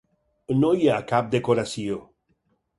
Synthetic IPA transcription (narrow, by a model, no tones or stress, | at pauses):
noiakap̚d̪ekoɾasio